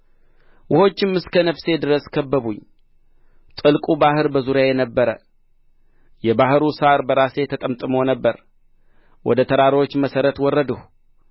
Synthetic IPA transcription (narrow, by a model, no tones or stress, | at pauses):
wʔʊho̞t͡ʃːɪmɨskʰənəfse̞d̪ɨɾəskʰəbːəβuɲː | t̪ʼɨlkʼubahɨɾbəzuɾjajɛnəbːəɾə | jɛbahɨɾusaɾbəɾase̞t̪ʰək̪ʼəmt̪ʼɨmonəbːəɾ | wʔɔ̰d̪ət̪ʰəɾaɾot͡ʃːməsəɾət̪wɔrːəd̪əhu